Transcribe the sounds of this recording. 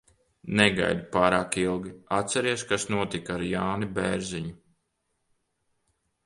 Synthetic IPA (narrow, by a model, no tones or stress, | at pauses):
neɡa̰jd̪upaːɾaːkilˠɡʲiat̪sɛɾiɛʃkasnuɔt̪ikaɾjaːnibeɾziɲu